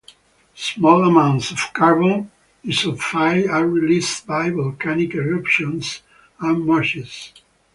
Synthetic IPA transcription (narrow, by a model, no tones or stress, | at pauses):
smɔlamãw̃ntsɔv̥kaɹbɔ̃n | isɔvfajaɹilistbajvɔlkʰænikɛɹapʃɔ̃ns | amaɹʃis